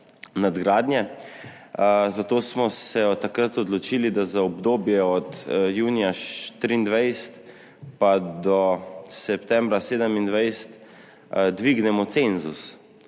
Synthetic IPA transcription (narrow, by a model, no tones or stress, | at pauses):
nad̪ɡɾaːd̪nʲjɛ | zat̪oːsmɔsɛɔt̪ːakɾat̪ɔd̪lɔt͡ʃiːlid̪azaɔbd̪oːbjɛɔt̪juːnijaʃt̪ɾiːnd̪ʋajst̪ | pad̪ɔsɛpt̪ɛ̃mbɾaseːd̪əmind̪ʋajst̪ | d̪ʋiɡnɛmɔt̪senzus